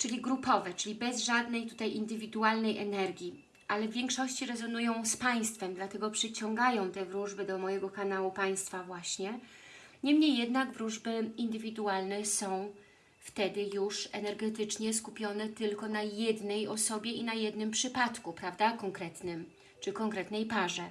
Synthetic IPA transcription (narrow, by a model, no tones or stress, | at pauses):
t͡ʂɘlʲiɡɾupɔvɛt͡ʂɘlʲibɛzʐad̪nɛjt̪u̥t̪ajʔind̪ɘvʲid̪ualnɛjʔɛnɛɾɡʲji | ʔalɛvʲjɛŋkʂɔɕt͡ɕiɾɛzɔnujɔ̃w̃spaj̃st̪fɛmd̪lat̪ɛɡɔpʂɘt͡ɕɔ̃ŋɡajɔ̃w̃t̪ɛvɾuʐbɘd̪ɔmɔjɛɡɔkanawupaj̃st̪favwaɕɲɛ | ɲɛmɲejːɛd̪naɡvɾuʐbɘind̪ɘvʲid̪ualnɛsɔ̃w̃ | ft̪ɛd̪ɘjuʂɛnɛɾɡɛt̪ɘt͡ʂɲɛskupʲjɔnɛt̪ɘlkɔnajɛd̪nɛjɔsɔbʲjɛinajɛd̪nɘmpʂɘpat̪kupɾavd̪akɔŋkɾɛt̪nɘm | t͡ʂɘkɔŋkɾɛt̪nɛjpaʐɛ